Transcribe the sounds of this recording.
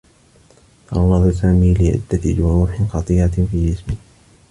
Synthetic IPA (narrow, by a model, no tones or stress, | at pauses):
t̪ɑʔɑnɑðˤsaːmiːlɪʕɪ̰d̪ːat̪d͡ʒʊɾuːħɪxɑt̪ˤiːɾafiːd͡ʒɪsbɪ